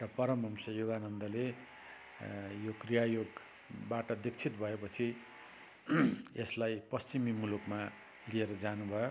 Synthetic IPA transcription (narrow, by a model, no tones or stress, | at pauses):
ʈʌpʌɾʌmʌmsʌjoɡanʌnd̪ʌle | jokrijajoɡ | baʈʌd̪ikt͡sʰit̪bʱʌepʌt͡sʰi | eslajpʌst͡simimulukma | lieɾʌd͡zanubʱʌjo